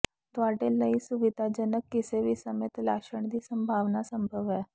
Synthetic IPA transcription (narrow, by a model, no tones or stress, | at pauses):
t̪aːʈeləisuʋɪd̪ʱad͡ʒənəkːɪseʋʱisəmeːt̪la̰ːʃəɳ̃d̪iːsəmbʱaːʋnasəmbʱəʋɦɛː